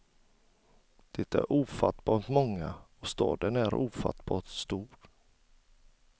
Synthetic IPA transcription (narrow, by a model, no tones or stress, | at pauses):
d̪̥ɛt̪æ̰ɾʔuːfat̪bɑːt̪mɔŋːaɔst̪ɑ̰ːd̪ənæɾuːfa̰t̪bɑːt̪st̪uːɾ